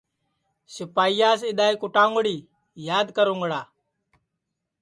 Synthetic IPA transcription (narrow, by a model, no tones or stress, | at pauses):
sɪpaːijaːsɪɗ̪aːiːkʊʈãːŋɡɽiː | jaːd̪kəɾũŋɡɽaː